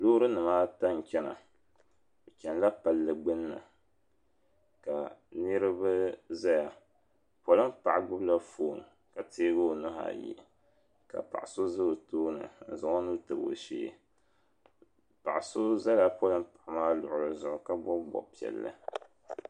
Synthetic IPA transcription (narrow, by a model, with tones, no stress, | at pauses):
lo˦ɾɨ˦nɨ˨maː˦ta˦n˨t͡ʃɛ˦na̰˨ | t͡ʃʲɛ˨nla˦pa˨lːɨ˨ɡ͡bɨ˦nːɨ̰˨ | ka˨nɨ˦ɾɨ˦bɨ˦za˦ja˨ | pɔ˨lɨ˦mpa˨ʔa˨ɡʊ˦bla˦foː˦˨ŋ˨ | ka˨teː˦bɨ˦˨nʊ˦ɦa̰˨jḭ˦˨ | ka̰˨pa̰˨ʔso˦zɨ˦bɨ˨toː˦nɨ̰˨n̩˨za˨ŋɔ˦nu˦tɨ˨bo̰˨ʃḛː˦˨ | pa̰˨ʔso˦za˦la˦pɔ˦lɨ˦mpa˨ʔa˨maː˦lʊ˨ʔʊ˨ɾɨ˦zʊ˦ʔʊ˨˦ka˦bɔ˦bbɔ̰˨pi˨ɛ̰˨lːɨ̰˦